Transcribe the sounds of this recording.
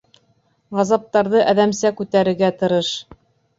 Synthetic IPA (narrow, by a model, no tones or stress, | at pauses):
ʁɑzɑp̚t̪ɑɾðɤʔæðæmsækʉt̪æɾɘ̆ɡæt̪ɤ̆ɾɤʃ